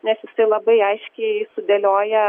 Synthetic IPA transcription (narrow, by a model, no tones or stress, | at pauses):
nʲɛsjɪsɐɪlˠɐbɐɪɐɪʃʲkʲɛɪsʊd̪ʲelʲoːjɛ